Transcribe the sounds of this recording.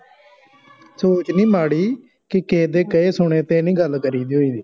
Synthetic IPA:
soːt͡ʃnĩːmaːɽiː | kɪkẽːd̪eːkəeːsʊɳeːt̪eːnĩːɡəlkəɾiːd̪iːɦoĩːd̪iː

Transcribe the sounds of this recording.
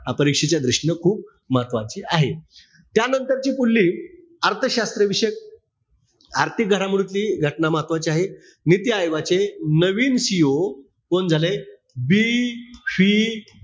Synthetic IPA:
ɦapəɾikʂet͡ɕjad̪ɾiʂɳəkʰuːp̚ | məɦət̪ʋat͡ɕiːaɦe | t̪janənt̪əɾt͡ɕiːpulːiː | əɾt̪ʰəɕast̪ɾəʋiɕək̚ | aɾt̪ʰik̚ɡʱəɾamiɽut̪liːɡʱəʈnaməɦət̪ʋat͡ɕiaɦe | nit̪iajʋat͡senəʋiːnsio | kond͡zʱale | bifiː

